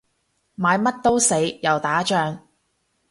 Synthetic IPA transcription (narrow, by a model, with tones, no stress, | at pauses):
maː˨˧jmɐ˥t̚t̪o˥wse˨˥jjɐ˨wt̪aː˨˥t͡ʃœː˧ŋ